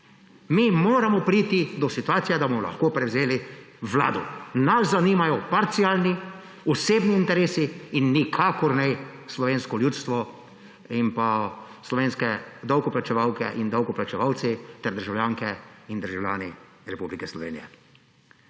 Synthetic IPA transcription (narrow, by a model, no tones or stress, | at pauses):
mimoːɾamɔpɾit̪id̪ɔsit̪uaːt̪sijɛd̪abɔmɔla̰xkoːpɾɛwzeːli | ʋla̰ːd̪ṵnaszaniːmajɔpaɾt̪siaːlni | ɔseːbniːnt̪ɛɾeːsiːnːikʰaːkɔɾnɛjslɔʋeːnskɔljuːt̪st̪ʋɔ | impa | slɔʋeːnskɛd̪awkɔplat͡ʃɛʋawkɛ̰ʔind̪awkɔplat͡ʃɛʋawt̪sit̪ɛɾd̪əɾʒawlʲjaːŋkɛind̪əɾʒawlʲja̰ːni | ɾɛpublikɛslɔʋḛːnijɛ̰